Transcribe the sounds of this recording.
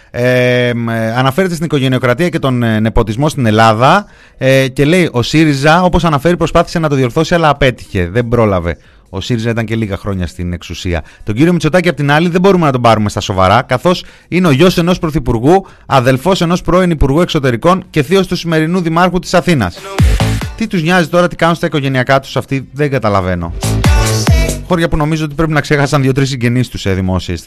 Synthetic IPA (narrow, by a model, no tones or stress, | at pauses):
e | ɐnɐfe̞ɾe̞t̪esinikoʝe̞nio̞kɾɐt̪iɐce̞t̪o̞nnepo̞t̪izmo̞st̪ine̞lɐðɐ | ce̞le̞iʔo̞siɾizɐo̞po̞sɐnɐfe̞ɾipɾo̞spɐθi̥se̞nɐt̪oðio̞ɾθo̞siɐlɐːpe̞t̪i̥çe̞̰ðe̞mbɾo̞lɐ̰ve̞̰ | o̞siɾizɐit̪ɐɲce̞liɣɐxɾo̞ɲɐ̰st̪ine̞̰ksusiɐ̰t̪o̞ɲɟiɾio̞mit͡so̞t̪ɐciɐpot̪inɐliðe̞bo̞ɾume̞nɐt̪̬o̞bɐɾume̞st̪ɐso̞vɐ̰ɾɐkɐθo̞s | ine̞o̞ʝo̞se̞no̞spɾo̞θipuɾɣu | ɐðe̞lfo̞se̞no̞spɾo̞enipuɾɣue̞kso̞t̪e̞ɾiko̞ɲce̞θio̞st̪usime̞ɾinuðimɐɾxut̪i̥sɐθinɐ̰s | t̪it̪uzɲɐzit̪o̞ɾɐt̪i̥kɐnonst̪ɐiko̞ʝe̞niɐkɐt̪u̥sɐft̪iðeŋɡɐt̪ɐlɐve̞no̞̰ | xo̞ɾʝɐpuno̞mizoo̞t̪ipɾp̬inɐkse̞xɐsɐnðʝo̞t̪ɾis̬ːiɲɟe̞nist̪useðimo̞sies